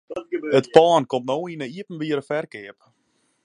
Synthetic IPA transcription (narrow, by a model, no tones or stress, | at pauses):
ətpaːnkomtnoːinəiəpn̩ʋiəɾəfɛrkɪəp